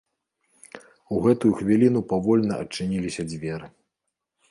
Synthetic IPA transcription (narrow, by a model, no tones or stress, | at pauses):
uɣɛt̪ujuxvʲilʲinupavɔlʲnɐʔɐ̰t͡ʂːɨnʲilʲisʲɐd͡zʲvʲɛɾɨ